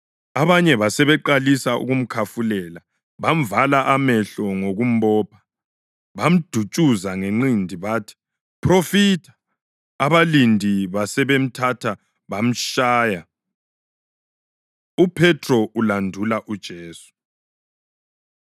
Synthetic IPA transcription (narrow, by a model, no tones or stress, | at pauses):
aβaɲɛβasɛβɛǃalisaṵɣum̩kʰafulɛla | βam̩valaʔamɛɬɔŋoɣum̩bɔːpʰḁ | βam̩d̥ʱut͡ʃʼuzaŋeŋ͡ǃindʱiβaːtʰi̥ | pʰrofitʰḁː | βalindʱiβasɛβem̩tʰatʰa | βam̩ʃaːja | upʰɛtʰʼrɔʔulandʱulaʔud̥ʒ̥ʱeːsu̥